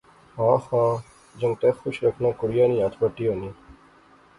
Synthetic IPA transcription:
ɦãːsãː | d͡ʒə̃ŋɡt̪eːxʊʃɾəkʰnãːkʊɽɪjãːnĩːãːt̪ʰbəʈːiːɦõːniː

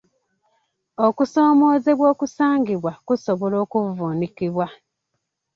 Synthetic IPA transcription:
okuso̞ːmo̞ːzeβwo̞ːkusaːŋɡiβwakusoβolo̞ːkuvonikiβwa

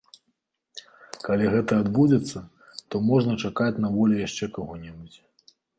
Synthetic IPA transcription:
kalʲiɣɛt̪ɐːd̪bud͡zʲɛt̪sːɐ | t̪ɔmɔʐnɐt͡ʂakat͡sʲnavɔlʲɛjaʂt͡ʂɛkaɣɔnʲɛbut͡sʲ

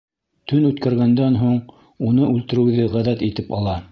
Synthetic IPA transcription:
t̪ɵnʉt̪kæɾɡænd̪ænɦuɴ | unɤʔʉlt̪ɘ̆ɾɘ̆wðɘʁæðæt̪it̪ɘpɑ̰lˠɑ

